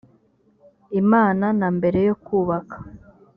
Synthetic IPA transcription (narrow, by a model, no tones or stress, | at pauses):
imaːnanambe̞ɾe̞jo̞kuːβakʰḁ